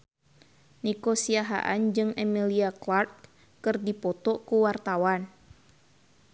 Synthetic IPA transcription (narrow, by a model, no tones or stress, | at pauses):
nikosiaɦa̰ʔand͡ʒɨŋʔɛmiliaklart̪̚ | kɨrdipɔt̪ɔkuwart̪awan